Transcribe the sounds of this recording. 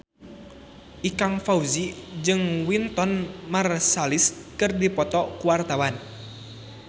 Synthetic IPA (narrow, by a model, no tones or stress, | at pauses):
ʔikaŋfauzid͡ʒɨŋwint̪ɔnmarsaliskɨrdipɔt̪ɔkuwart̪awan